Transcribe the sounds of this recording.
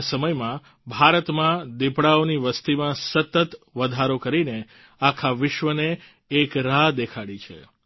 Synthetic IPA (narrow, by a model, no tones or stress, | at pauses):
səməjmã | bʱaɾət̪mãd̪epɽaoniʋəst̪imãsət̪ət̪ʋəd̪ʱaɾokəɾine | akʰaʋɪʃʋəneː | kɾad̪ekʰaɽit͡ʃʰḛ